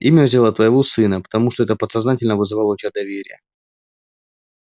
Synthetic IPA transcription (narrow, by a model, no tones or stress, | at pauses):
imʲəvzʲɪlˠət̪vəjɪvosɨnəpə̥t̪ɐmuʂt̪oɛt̪əpət̪sɐznatʲɪlʲnəvɨzɨvalˠəut̪ʲjad̪ɐvʲeɾʲɪ̰jə